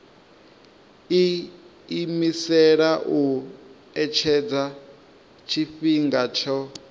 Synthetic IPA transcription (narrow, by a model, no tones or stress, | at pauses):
i | imisɛɺaʔu | ɛt͡ʃʰɛd͡za | t͡ʃʰiɸiŋɡat͡ʃʰɔ